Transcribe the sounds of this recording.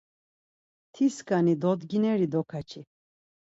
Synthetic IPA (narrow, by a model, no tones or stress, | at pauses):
t̪ʰiskʼanid̪ɔd̪ɡinɛɾid̪ɔkʰat͡ʃʰi